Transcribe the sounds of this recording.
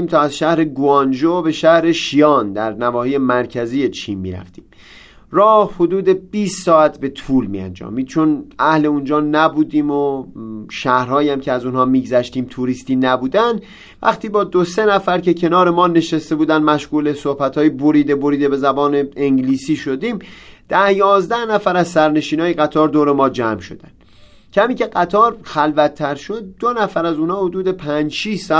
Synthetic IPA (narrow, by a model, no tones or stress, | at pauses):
iːmt̪ʰɒːæzʃæhɾe̞ɡuɑnd͡ʒobe̞ʃæhɾe̞ʃijɒːnd̪æɾnævɒːhiːje̞mæɾcʰæziːje̞t͡ʃʰiːnmḭːɾæ̰ft̪ḭːm | rɒːhho̞d̪uːd̪e̞b̥iːst̪sɒːæt̪ʰbe̞t̪ʰuːlmḭːæ̰nd͡ʒɒ̰ːmiːd̪̚t͡ʃʰo̞næhle̞und͡ʒɒːnæbuːd̪iːmoʃæhɾhɒːjæmcʰeæzunhɒːmiːɡzæʃt̪iːmt̪ʰuɾiːst̪iːnæbuːd̪ænd̪ | væ̰χt̪ʰiːbɒːd̪ose̞næfæɾce̞cʰe̞nɒːɾe̞mɒːne̞ʃest̪e̞buːd̪ænd̪mæʃɣuːlesohbæt̪ʰhɒːjeboɾiːd̪ebo̞ɾiːd̪ebe̞zæbɒːneeŋɡliːsiːʃo̞d̪iːmd̪̥æhjɒːzd̪æhnæfæɾæzsæɾne̞ʃiːnɒːjeɣæt̪ʰɒːɾd̪oːɾemɒːd͡ʒæmʃo̞̰d̪æn | cʰæmiːce̞ɢæt̪ʰɒːɾxælvæt̪ʰːæɾʃo̞d̪̚ːonæfæɾæzunhɒːhod̪uːd̪e̞pʰænd͡ʒʃisɒ